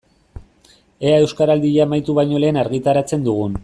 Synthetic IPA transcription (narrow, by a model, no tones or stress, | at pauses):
e̞ae̞wskaɾald̪iʎaːmajt̪uβajɲo̞le̞ːnaɾɣit̪aɾat͡se̞nd̪uɣ̞un